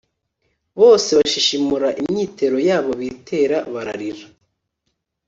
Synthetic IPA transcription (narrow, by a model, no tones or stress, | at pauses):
βo̞ːse̞βaʃiʃimuɾaʔimɲiːte̞ɾo̞jaːβo̞βitʰe̞ːɾaβaɾa̰ɾiɾa